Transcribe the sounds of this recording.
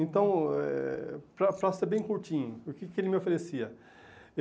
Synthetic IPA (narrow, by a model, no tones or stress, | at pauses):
ẽnt̪ɐ̃w̃ɛ̰pɾɐpɾɐseɾbẽj̃kuɾt͡ʃĩɲʊʊkɪkɪelɪmɪofeɾesiɐ